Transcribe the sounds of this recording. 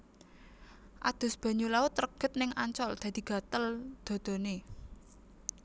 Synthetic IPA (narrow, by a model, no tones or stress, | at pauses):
ʔad̪̥ʊ̤sb̥a̤ɲulaʊt̪ːrəɡ̥ə̤t̪̚nɪŋaɲt͡ʃɔld̪̥ä̤d̪̥i̤ɡ̥ä̤t̪əld̪̥o̤d̪̥o̤ne